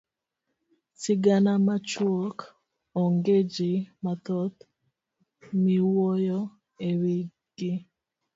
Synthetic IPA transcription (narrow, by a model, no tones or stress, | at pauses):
sɪɡanamat͡ʃwɔk | ɔŋɡed͡ʒimat̪ɔt̪ | miwɔjɔ | ewiɡɪ